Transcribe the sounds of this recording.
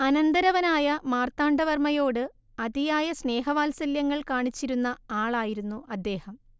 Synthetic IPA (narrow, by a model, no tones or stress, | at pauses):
ɐnɐnd̪ɐɾɐʋɐnaːjɐmaːrt̪aːɳɖɐʋɐrmɐjo̞ːɽɨ | ɐd̪ijaːjɐsne̞ːɦɐʋaːlsɐljɐŋːɐɭkaːɳit͡ɕːiɾunːɐaːɭaːjiɾunːuʔɐd̪ːe̞ːhɐm